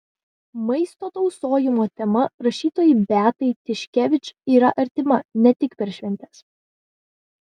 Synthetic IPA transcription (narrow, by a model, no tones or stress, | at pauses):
mɐɪst̪oːt̪ɒʊsoːjɪmoːt̪ʲɛmɐɾɐʃʲiːt̪oːjɪbʲæːt̪ɐɪt̪ʲɪʃʲkʲɛʋʲɪt͡ʃiːɾɐʔɐɾʲt̪ʲɪmɐnʲɛt̪ʲɪkpʲɛɾʃʲʋʲɛnʲt̪ʲɛs